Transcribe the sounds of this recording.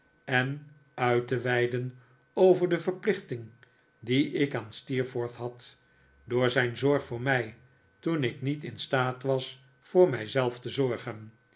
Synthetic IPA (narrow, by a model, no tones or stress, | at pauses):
ɛn | œɥtəʋɛjdən | owvəɹdəvəɹplɪχtɪŋ | diɪkaːnstiːɹfoɹθɦɑt | doːɹzɛjnzɔɹχfʊːɹmɛj | tunɪknitɪnstaːtʋɑs | fʊːɹmɛjzɛlˠftəzɔɹχən